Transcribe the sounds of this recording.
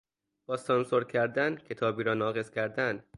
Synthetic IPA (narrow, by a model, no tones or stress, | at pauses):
b̥ɒːsɒnsoɾcʰæɾd̪æncʰe̞t̪ʰɒːbiːɾɒːnɒːɣe̞z̥cʰæɾd̪ænd̪̥